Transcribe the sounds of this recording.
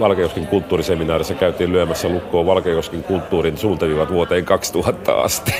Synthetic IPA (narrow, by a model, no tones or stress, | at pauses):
ʋɑlkejoskiŋkult̪ːuːriseminɑːrisːɑkæyt̪iːllyømæsːælukːˑoːʋɑlkejoskiŋkult̪ːuːrinsuːnt̪eʋiʋɑt̪ʋuot̪eːŋkɑkst̪uhɑt̪ːɑ̰ɑ̰st̪i̥